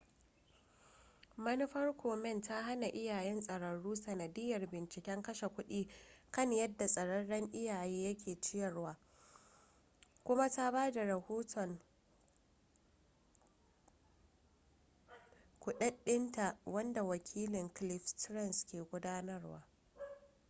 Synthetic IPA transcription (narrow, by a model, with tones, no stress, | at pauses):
mɐ˦nɪ˦ɸɐ˦rkʷʰoː˨mɛ˦nta˦ɦa˦na˨ʔɪ˦jaː˨jɛ˦nsʼɐ˨ɽɐ˨ɽuː˦sɐ˨nɐ˨dɪ˦jːɐ˨rbɪ˨nt͡ʃɪ˨kʲɛ˦ŋkɐ˦ʃe˨kʷʊ˦ɗiː˦kɐ˦˨ɲjɐ˦dːa˨sʼɐ˨ɽɐ˦ɽɐ˦ŋʔɪ˦jaː˨jeː˦jɐ˦kʲʰeː˨t͡ʃɪ˦jɐ˨rwaː˨ | kʷʊ˦ma˦ta˦baː˦da˨ɾɐ˨hoː˦tʰɔ˨ŋ | kʷʊ˨ɗɐ˦ɗːɪ˦nta˨wɐ˦nda˨wɐ˨kʲʰiː˦lɪ˨ŋklɪ˦ɸtɾɛ˦˨nskʲeː˨ɡʷʊ˦daː˦nɐ˦rwa̰ː˦